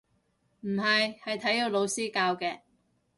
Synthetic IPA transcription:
m̩˨˩ɦɐ˨jhɐ˨jt̪ʰɐ˨˥ji˧wlo˨˧wsiː˥kaː˧wkɛː˧

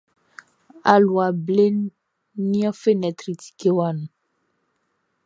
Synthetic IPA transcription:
a̰˨lu˨a˨ble˦n˦ | nĩ˦ɔ̃˦fe˦nɛ̃˨t̪ɾi˨t̪i̥˨ke˦wa˨nũ˨

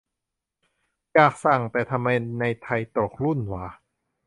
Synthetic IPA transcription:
jaː˨˩k̚sa˨˩ŋt̪ɛː˨˩t̪ʰa˧mːa˧jna˧jt̪ʰa˧jt̪o˨˩k̚lu˥˩˨nwaː˧˦

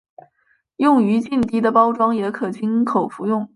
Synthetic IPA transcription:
jʊ˥˩ŋy˧˥t͡ɕi˥˩nt̪i˥d̪ə˨pɑ˥ʊʈ͡ʂwɑ˥ŋjɛ˧˥kʰɤ˨˩t͡ɕi˥nkʰo˨˩ʊfu˧˥jʊ˥˩ŋ

